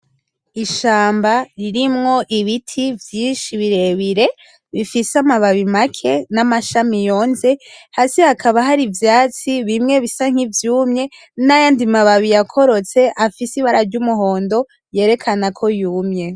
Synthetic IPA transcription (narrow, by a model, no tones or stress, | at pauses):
iʃaːmbaɾiɾimŋo̞ʔiβitʰivjiːnʃiβiɾe̞βiɾe̞ | βifisamaβaβimakʰe̞namaʃamijo̞ːnze̞haːsihakʰaβaɦaɾivjaːt͡siβimŋe̞βisaŋ̥ivjuːmɲe̞ | najaːndimaβaβijakʰo̞ɾo̞t͡se̞ʔafisiβaɾaɾɟumuɦo̞ːndo̞ | je̞ːɾe̞kʰanakʰo̞juːmɲe̞